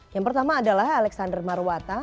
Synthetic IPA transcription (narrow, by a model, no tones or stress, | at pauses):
jaŋpərt̪amaːdalahalɛksandərmaruwat̪a